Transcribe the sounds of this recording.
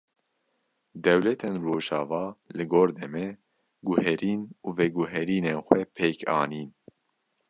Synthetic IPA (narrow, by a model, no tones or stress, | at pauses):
d̪ɛwlɛt̪ʰeːnroːʒɑːvɑːlɨɡoːɾd̪ɛmɛ | ɡuɦɛɾiːnuːvɛɡuɦɛɾiːneːnxʷɛpʰeːkʰɑːniːn